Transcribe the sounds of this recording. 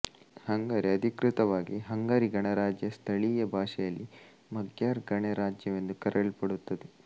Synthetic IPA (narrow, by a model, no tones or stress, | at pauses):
hɐŋɡaːɾiɐd̪ʱikɾɪt̪ɐʋaːɡiɦɐŋɡaːɾiɡɐɳɐɾaːd͡ʒjɐst̪ʰɐɭijɐbʱaːʂɛjɐlːi | mɐɡjaːɾɡɐɳeɾaːd͡ʒjɐʋe̞nd̪ukɐɾɐɭpɐɽut̪ːɐd̪e